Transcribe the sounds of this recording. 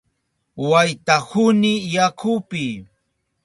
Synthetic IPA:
wajt̪ahʊnɪjakʰʊpɪ

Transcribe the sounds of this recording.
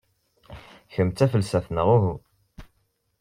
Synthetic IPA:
çəmt͡s̪æfəlsæθnəʁuɦu

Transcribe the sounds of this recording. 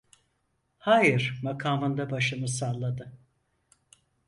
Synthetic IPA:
haːjɯɾmakʰaːmɯnd̪abaʃɯmɯsalˠːad̪ɯ

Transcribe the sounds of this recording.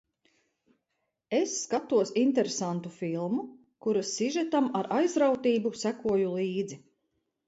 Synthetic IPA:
esːkat̪uɔsint̪eɾesant̪ufilˠmu | kuɾasːiʒɛt̪amaɾʔajzɾawt̪iːbusækuɔjulˠiːd̪zi

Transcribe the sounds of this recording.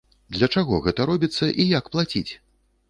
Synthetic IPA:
d̪lʲɐt͡ʂaɣɔɣɛt̪ɐɾɔbʲit̪sːɐʔijakplˠat͡sʲit͡sʲ

